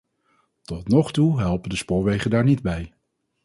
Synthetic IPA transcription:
tɔtnɔχtuɦɛlˠpəndəspʊːɹʋejχəndaːɹnidbɛj

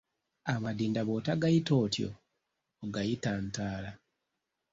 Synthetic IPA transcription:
amadiːndaβo̞ːtaɡajito̞ːtjo̰ː | ɡajitantaːla

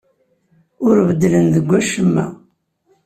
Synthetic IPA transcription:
ʊɾvəd̪lənðəɡʷːæʃəmːæ̰

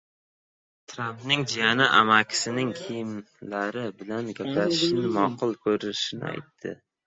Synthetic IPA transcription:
t̪ʰɾampnɪŋd͡ʒijanɪʔa̰makʲʰɪ̥sɪnɪŋkʲʰijɪm | laɾɪbɪlanɡʲaplat̪ʰɪ̥ʃnɪmɒqɨlˠkʰɵɾɪʃɪnɪ̰a̰jt̪ʰːɪ̰

